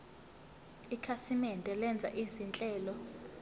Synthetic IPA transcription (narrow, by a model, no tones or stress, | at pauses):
ikʰasimɛndʱʼɛlɛnd͡zʱa̰ʔizint͡ɬʼɛːlɔ